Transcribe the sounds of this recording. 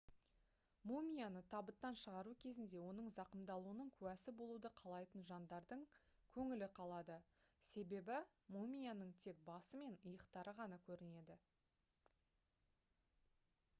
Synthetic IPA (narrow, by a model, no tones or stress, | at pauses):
mumʲijanət̪ʰɑbət̪ːɑnʃəʁɑɾukʲʰe̞zɪnd̪e̞wo̞nəɴzɑqəmd̪ɑlˠuənəɴkʲʰʉwæsɪbo̞lˠud̪əqʰɑlˠɑjt̪ənʒɑnd̪ɑɾd̪əɴ | kʲʰɵŋɪlɪqʰɑlˠɑd̪əse̞be̞bɪ | mumʲijanəɴt̪ʰe̞k̚bɑsəme̞nəjəqt̪ɑɾəʁɑnɑkʲʰɵɾɪne̞d̪ɪ